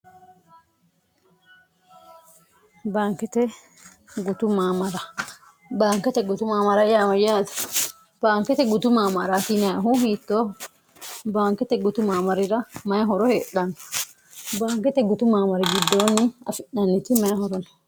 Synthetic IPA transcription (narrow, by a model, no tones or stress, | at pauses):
baːŋkɛt̪ɛ | ɡut̪umamaɾa | baːŋkɛt̪ɛɡʊt̪umaːmaɾajamajaːt̪ḁ | b̥aːŋkɛt̪ɛɡʊt̪umaːmaɾat̪inaaɦuhit̪ːo | baːŋkɛt̪ɛɡʊt̪umaːmaɾɪɾamajɦɔɾɔheɗan | baːŋkɛt̪ɛɡut̪umaːmaɾɛɡid̪ːoːnːɪɐ̰fɪɗanːit̪imajhɔɾɔn